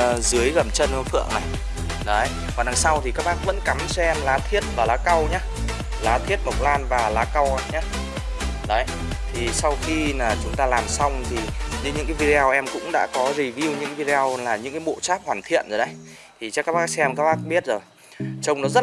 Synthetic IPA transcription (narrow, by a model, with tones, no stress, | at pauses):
zɨ˨˦əjɣə˨˩mt͡ɕə˧n˧fɨ̰˧˨əŋna˨˩j | ɗə˨˦ə˦j | vaː˨˩nɗa˨˩sa˧wt̪ʰi˨˩kaː˦˥k̚ɓaː˦˥k̚və̰˧˥nka˨˦mt͡ɕɛ˧mlaː˨˦t̪ʰi˦˥ət̚vaː˨˩laː˨˦ka˧wɲaː˧˦ | laː˨˦t̪ʰi˦˥ət̚mə˨˩k͡p̚laː˧nvaː˨˩laː˨˦ka˧wa˧˩ɲaː˨˦ | ɗə˨˦j | t̪ʰi˨˩sa˧wxi˧laː˨˩t͡ɕʊ˨˦ŋ͡mt̪aː˧laː˨˩msa˧wŋ͡mt̪ʰi˨˩ɲɨ˧˦ɲɨ̰˧˥ŋkaː˨˦jvi˧ɾe˧aː˧wʔɛ˧mkʊ̰˧˥ŋ͡mɗa̰ː˧˥kɔ˨˦zi˨˩vi˧wɲɨ̰˧˥ŋa˦vi˧ɾe˧a˧wlaː˨˩ɲɨ̰˧˥ŋkaː˨˦jɓo̰˧˨t͡ɕaː˦˥p̚hwaː˨˩nt̪ʰḭ˧˨ənzo˨˩ɗə˨˧˦j | t̪ʰi˨˩t͡ɕɛ˧˦˥kaː˦˥k̚ɓaː˦˥ksɛ˧mkaː˦˥k̚ɓaː˦˥k̚ɓi˦˥ət̚zo˨˩j | t͡ɕə˧wŋ͡mnɔ˨˦zə˦˥t̚